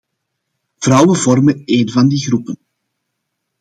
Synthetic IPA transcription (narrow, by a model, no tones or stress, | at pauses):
v̥rʌwənvɔrməeːnvɑndiɣrupən